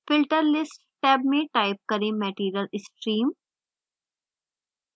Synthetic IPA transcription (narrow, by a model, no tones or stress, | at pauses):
fɪlʈəɾlɪsʈ | ʈɛːb̚mẽʈaːɪp̚kɐɾẽmɛʈiːɾijəlɪsʈɾiːm